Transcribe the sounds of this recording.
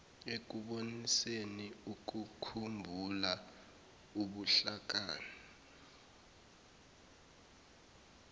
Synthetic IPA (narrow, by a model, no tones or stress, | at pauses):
ek̬uɓoniseniuk̬ukʰumbʱula | uɓuɬak̬aːni